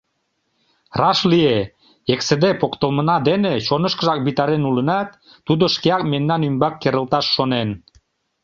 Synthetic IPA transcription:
rɑʃlie | eksĕd̪epokt̪əlmənɑd̪eneʃonəʃkəʒɑk̚bit̪ɑɾenulənɑt̪ː | ud̪oʃkeɑkmennːɑnymbɑkːeɾə̆lt̪ɑʃːonen

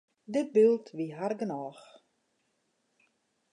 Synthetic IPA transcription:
dəbilˠtʋiɦarɡənɔːx

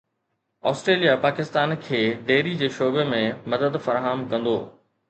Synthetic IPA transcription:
ɔːsʈɾeːlijapaːkɪst̪aːnkʰeːɖeːɾid͡ʑeːʃoːbemẽmɐd̪əd̪fɐɾaːɦəmkɐ̃nd̪oː

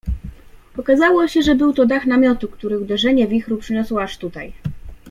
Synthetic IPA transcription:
pɔkazawɔɕɛʐɛbɘwt̪ɔd̪axnamʲjɔt̪ukt̪uɾɘxud̪ɛʐɛɲɛvʲixɾupʂɘɲɔswɔaʂt̪ut̪aj

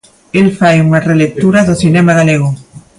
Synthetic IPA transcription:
elfajuŋarelek̚t̪uɾaðoθinemaɣ̞aleɣ̞o

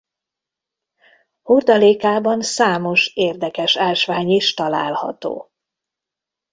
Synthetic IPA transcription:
hurd̪ɒleːkaːbɒnsaːmo̞ʃeːrd̪ɛkɛʃaːlʃʋaːɲiʃt̪ɒla̰ːlhɒ̰t̪o̰ː

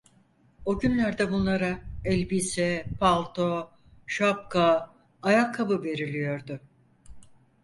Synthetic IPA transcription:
o̞ɟynlʲæɾd̪ɛbunlˠaɾaɛlʲbiːsɛpʰalˠt̪ʰo̞ | ʃap̚kaː | jakʰːabɯve̞ɾilʲijo̞ɾd̪ʊ

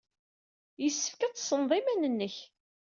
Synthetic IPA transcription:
jəsːə̥fkæt̪ˤːsənðˤimænənːəç

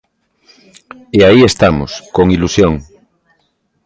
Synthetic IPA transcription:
eaiest̪amoskoŋilusjoŋ

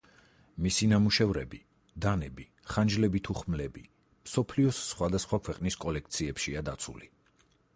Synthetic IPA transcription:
misinamuʃɛvɾɛbi | d̪anɛbi | χand͡ʒlɛbit̪ʰuχmlɛbi | msɔpʰliɔsːχwad̪asχwakʰwɛqʼniskʼɔlɛk̚ʰt̪sʰiɛpʃiad̪at̪sʰṵli

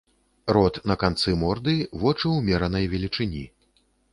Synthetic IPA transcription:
ɾɔt̪nɐkant̪sɨmɔrd̪ɨvɔt͡ʂɨwmʲɛɾɐnɐjvʲɛlʲit͡ʂɨnʲḭ

